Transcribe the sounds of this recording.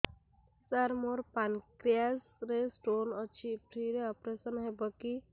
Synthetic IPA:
səɾmoɾpankɾias | ɾesʈonɔt͡ʃʰipɾiɾeɔpɾesənɦebəki

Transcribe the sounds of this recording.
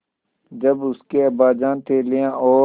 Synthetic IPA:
d͡ʒɐbʊskeɐbaːd͡ʒãːnt̪ʰeːlɪjãʔɔː

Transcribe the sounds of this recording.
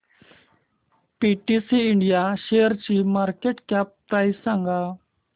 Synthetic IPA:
piʈisiːɳɖijaɕejəɾt͡ɕimaɾkeʈkap̚t̪aisãŋɡa

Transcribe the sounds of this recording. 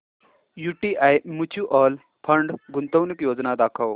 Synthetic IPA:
juʈiʔajmut͡ɕʰuʔɔl | pʰəɳɖɡunt̪əwnikjod͡znad̪akʰəw

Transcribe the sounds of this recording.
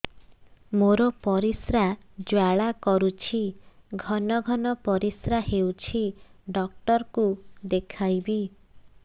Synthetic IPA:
moɾɔpɔɾisɾad͡ʒwaɭakɔɾut͡ʃʰiɡʱɔnɔɡʱɔnɔpɔɾisɾaɦewt͡ʃʰiɖɔk̚ʈɔɾkud̪ekʰajbi

